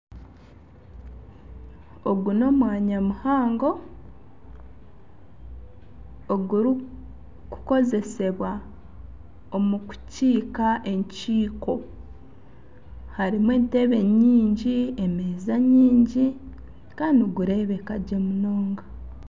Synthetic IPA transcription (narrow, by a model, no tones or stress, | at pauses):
oɡuno̞mwaːɲamuhaːŋɡo̞ | ɡuɾi | ku̥ko̞ze̞se̞βwa | omuku̥ciːkaʔe̞ɲciːko̞ | haɾimweːnte̞βe̞ɲiːɲɟieme̞ːzaɲiːɲɟi | kaːndioɡuɾe̞βe̞kaɟemuno̞ːŋɡa